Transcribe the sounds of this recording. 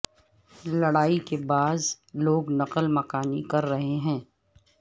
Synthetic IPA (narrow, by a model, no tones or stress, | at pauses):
lɐɽaːikebaːz | loːɡnɐqəlmɐkaːnikɐɾːɐɦeɦɛ̃ː